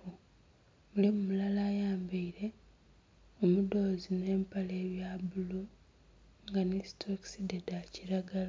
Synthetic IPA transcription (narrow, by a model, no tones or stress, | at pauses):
u | mulimumulalaːjaːmbiiɾe̞ | omudo̞zine̞ːmpale̞ːβjaːbulu | ŋɡanestʰoksidedaciɾaɡala